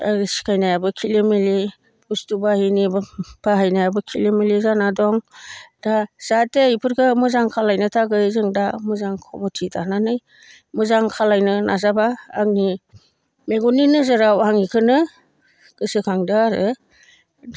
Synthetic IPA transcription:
asi̥kʰajnajabɯkʰilimili | bustubahinibpʰaɦajnajabɯkʰilimilizanadɔŋd̥az̥atejpʰɯɾkʰɯmɯzaŋkʰalajnɯtʰaɡɯjzɯŋdamɯzaŋkʰɔ̰mɔtʰitʰananɯj | mɯzaŋkʰalajnɯnʔazabaːŋni | meɡɔninɯzɯɾawhaŋikʰɯnɯ | kɯsɯkʰaŋdɯɾɯ

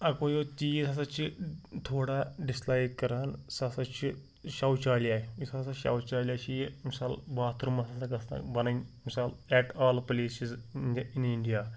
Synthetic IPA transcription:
ɐkojot̪iːsasɐt͡ʃʰit̪ʰoːɽaɖislaːjkkɐɾaːnsasɐt͡ʃʰi | ʃawt͡ʃaːljaːeisasaʃa̰wt͡ʃaːlʲjaːt͡ʃimisaːlbaːt̪ɾumɐsasɐkɐst̪a̰bɐnɐŋmisaːlɛʈaːlpɐliːsiziniɳɖijaː

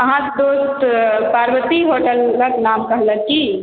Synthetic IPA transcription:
ɐɦãd̪oːst̪paːɾwət̪iɦoːʈəlkaknaːmkɐɦlɐɡki

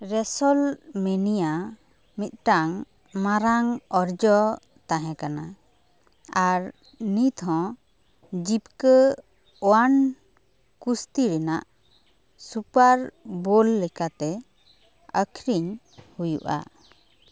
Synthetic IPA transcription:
ɾɛsɔlmɛnija | mit̪̚ˀʈaŋ | maɾaŋɔɾd͡ʒɔ | t̪aɦɛ̃kana | aɾ | nit̪ɦɔ̃ | d͡ʒip̚kə | ɔwan | kust̪iɾɛnaʔ | supaɾbolːɛkat̪ɛ | əkʰɾiɲ | hujṵʔa̰

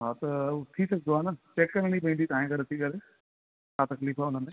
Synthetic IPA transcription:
ɦaːt̪ɐt̪ʰisɐɡ̚d̪oaːnat͡ʃeːkkɐɾɽ̃ipɐĩnd̪it̪aːẽkɐɾɐt̪ʰikɐɾe | taːt̪ɐkliːfɛʊnəmẽ

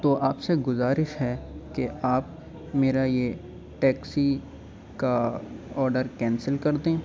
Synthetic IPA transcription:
t̪oʔaːpseɡʊzaːɾɪʃɦɛkeaːp̚ | meːɾaje | ʈɛːksi | kaɔːɾɖəɾkɛ̃ːnsəlkɐɾd̪ẽː

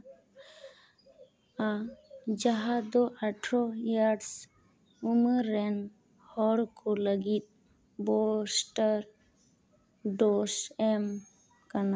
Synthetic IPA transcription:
ad͡ʒaɦad̪oʔaʈʰɾojaɖs | uməɾen | hɔɾkoləɡit̪̚ | bosʈəɾ | ɖosem | kəna

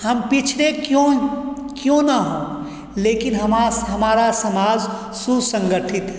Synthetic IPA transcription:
həmpɪt͡ʃʰlekjõ | kjõnaɦõ | leːkɪnɦəmaɦɐmaːɾasəmaːd͡ʒ | susə̃ŋɡəʈʰɪt̪ɦɛ

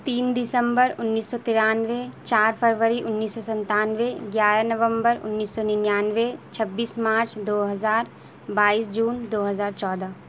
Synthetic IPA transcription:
t̪iːnd̪ɪsəmbəɾʊnːiːsːɔt̪ɪɾaːnʋet͡ʃaːɾpʰəɾʋəɾiʔʊnːiːsːɔsɐ̃nt̪aːnʋeɡjaːɾanɐʋə̃mbəɾʊ̰nːiːsːɔninjaːnʋet͡ʃʰɐbːiːsmaːɾt͡ʃd̪oːɦɐzaːɾ | baːiːsd͡ʒuːnd̪oːɦəzaːɾt͡ʃɔːd̪a

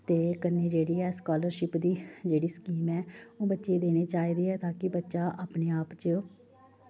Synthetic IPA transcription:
t̪eːkəneːd͡ʒeːɽiːɛːskaːləɾʃɪpd̪iːd͡ʒeːɽiːskiːmɛːoːbətːʃeːd̪eːɽ̃eːt͡ʃaːiːd̪iːɛːt̪ãːkɪbətːʃaːʔaːpneːaːpt͡ʃə

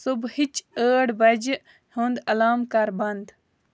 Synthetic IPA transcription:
subhit͡ʃəːɽbɐd͡ʒ | hoːnd̪ɐlaːmkaɾbɐnd̪

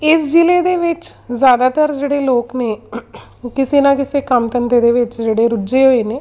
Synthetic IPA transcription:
ɪsd͡ʒɪleːd̪eːʋɪt͡ʃzjaːd̪aːt̪əɾd͡ʒeːɽeːloːkneː | kɪsiːnakɪsekəmt̪ənt̪eːd̪eːʋɪt͡ʃd͡ʒeːɽeːɾʊd͡ʒeɦoːeːneː

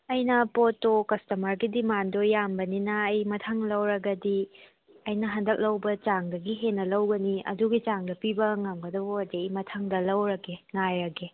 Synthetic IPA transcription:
ɐjnɐpotokɐstɐmɐɾɡidimandojambɐninɐːjmɐtʰaŋlɐwɾɐɡɐdi | ɐjnɐɦɐndɐk̚lɐwbɐt͡ʃaŋdɐɡiɦenːɐlɐwɡɐniɐ̰duɡit͡ʃaŋdɐpibɐŋɐmɡɐdɐboɐdiɐjmɐtʰaŋdɐlɐwɾɐɡeŋajɾɐɡe

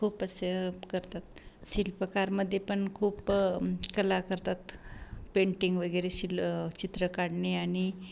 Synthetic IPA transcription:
kʰuːpəsəkəɾt̪at̪ɕilpəkaɾməd̪ʱːjepəɳkʰuːpkəlakəɾt̪at̪peɳʈiŋɡʋəɡəjɾeɕilt͡ɕit̪ɾəkaɽɳeaɽ̃i

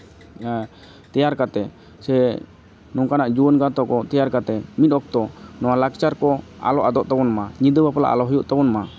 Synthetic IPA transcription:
t̪ɛjaɾkat̪ɛ | sɛ | nɔŋkanaʔd͡ʒuɔnɡat̪ɔkɔt̪ɛjaɾkat̪ɛmit̪̚ˀɔk̚t̪ɔnɔwalaɡt͡ʃaɾkɔa̰lɔʔad̪ɔʔt̪ɔbɔnmaɲid̪əbapala̰ʔa̰lɔɦujuʔt̪ɔbɔnma

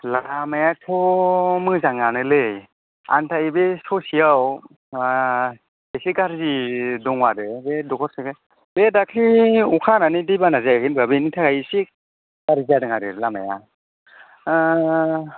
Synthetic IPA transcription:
lamajatʰɔmɯzaŋanɯlɯj | a̰ntʰaibesɔsijaw | esiɡaɾzidɔŋwadɯbedɔkʰɔɾsɯke | bedakʰiukʰananidejbanazaaɡinbabenitʰaɡajisik̚ | ɡaɾziadɯŋaɾɯlama̰ja̰

